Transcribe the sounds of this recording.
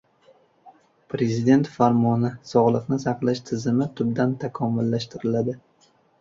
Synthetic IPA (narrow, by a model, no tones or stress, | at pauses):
pɾe̞zɪd̪e̞nt̪faɾmɒnɪsɒʁlˠɨqnɪsɑqlˠaʃt̪ʰɪzɪmɪt̪ʰʊbd̪ant̪ʰakʰɒmʊlːaʃt̪ɪɾɪlad̪ɪ